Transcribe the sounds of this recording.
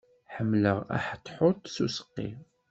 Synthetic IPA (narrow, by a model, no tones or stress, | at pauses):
ħəmːləʁæ̰ħə̥t̪ˤːħʊt̪ˤsusə̥qːḭ